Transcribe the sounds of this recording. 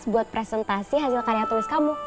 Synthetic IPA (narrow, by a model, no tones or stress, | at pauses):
sbuat̪̚pɾesɛnt̪asiɦad͡ʒlakaɾjaŋt̪ulɪskamu